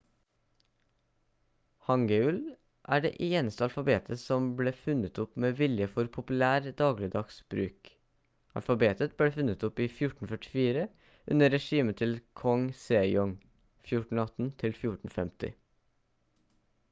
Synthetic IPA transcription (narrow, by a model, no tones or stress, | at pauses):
hɑŋɡəʉl | ʔæ̰ːɖḛːʔeːnəst̪əɑlfɑbeːt̪ʰəsɔmbleːfʉnət̪ʊpmeːʋɪljəfɔɾpʰʊpʉlæːɾd̪ɑːɡlɪəd̪ɑksbɾʉ̰ːk | ɑ̰lfɑbeːt̪ət̪̚b̥leːfʉnət̪ʊpiːfjʊʈɳn̩fœʈɪ̥fiːɾə | ʔʉ̰nəɾɛʂiːmət̪ʰɪlkʰɔŋseːjɔŋ | fjʊʈɳn̩ɑt̪n̩t̪ʰɪlfjʊʈn̩fɛmt̪ɪ̰